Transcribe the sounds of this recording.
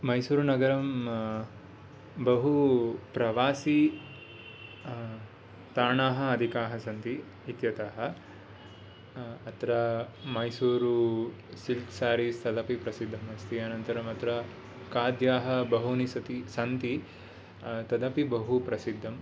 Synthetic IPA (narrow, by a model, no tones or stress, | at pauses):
mɐjsuːɾunɐɡɐɾɐm | bɐɦupɾɐʋaːsi | t̪aːɳaːɦɐɐd̪ʱikaːɦɐsɐnt̪iː | t̪jɐt̪aːɦɐ̆ | ɐt̪ɾɐmɐjsuːɾu | silksaːɾist̪ʰɐd̪ɐpipɾɐsid̪ʱːɐmɐst̪iɐːnɐnt̪ɐɾɐmɐt̪ɾɐ | kaːd̪ʱjaːɦɐ̆bɐɦunisɐt̪isɐnt̪i | t̪ɐd̪ɐpibɐɦupɾɐsid̪ʱːɐm